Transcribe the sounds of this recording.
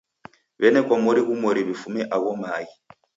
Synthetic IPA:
βɛnɛkwamɔɾiɣumɔɾiβifumɛʔaβɔmaːji

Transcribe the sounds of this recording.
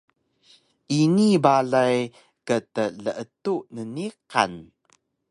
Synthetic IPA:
ʔinibaɮaj | kətələʔətuʔnəniqa̰n

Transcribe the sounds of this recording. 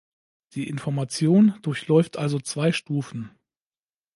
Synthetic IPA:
d̥iːʔɪnfɔɐmat͡sjoːnd̥ʊɐçlɔʏftʔalzot͡sv̥aɪʃtuːfn̩

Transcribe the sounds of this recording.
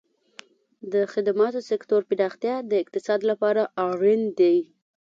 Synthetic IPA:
d̪əxɪd̪amɑt̪osɪkt̪oɾpɪɾɑxt̪jɑd̪əɪq̚t̪ɪsɑd̪lapɑɾaʔɑɾɪnd̪ej

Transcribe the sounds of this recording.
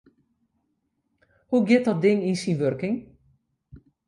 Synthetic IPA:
huɡjɪt̚dɔt̚dɪŋinsinʋørkɪŋ

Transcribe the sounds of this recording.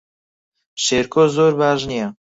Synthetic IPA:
ʃeːɾkoːzoːɾbaːʒnija

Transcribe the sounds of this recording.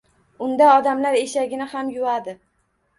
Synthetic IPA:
ʊnd̪aɒd̪amlaɾeʃaɡʲɪnɪhamjʊad̪ɪ

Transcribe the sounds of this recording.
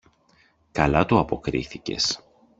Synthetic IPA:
kɐlɐt̪uɐpo̞kɾḭθice̞̰s

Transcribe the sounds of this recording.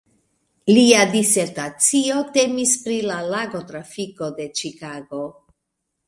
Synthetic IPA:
liadise̞ɾtat͡sio̞te̞mispɾilalaɡo̞tɾafiko̞de̞t͡ʃikaɡo̞

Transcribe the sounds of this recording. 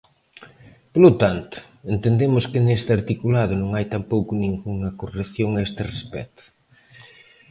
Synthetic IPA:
polot̪ant̪ʊ̥ | ent̪end̪emʊskɪnest̪aɾt̪ikulaðʊnõŋajt̪ampowkʊnĩŋɡuŋɐkoreθjoŋaest̪ɪrespɛ̰t̪ʊ̥

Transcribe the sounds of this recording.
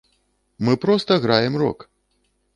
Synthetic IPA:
mɨpɾɔst̪ɐɣɾajɛmrɔ̰k

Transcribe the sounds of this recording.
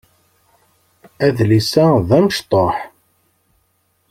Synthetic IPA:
æðlisæðæməʃt̪ˤoħ

